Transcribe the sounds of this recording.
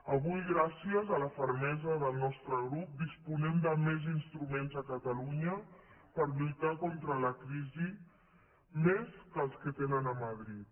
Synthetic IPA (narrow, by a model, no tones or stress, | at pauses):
əβujɣɾasiəzələfəɾmɛzəðəlˠnɔst̪ɾəɣɾup̚d̪ispunɛmd̪əmezinst̪ɾumenzəkət̪əluɲəpəɾlut̪akɔnt̪ɾələkɾizi | meskəlˠskət̪enənəməðɾit̪̚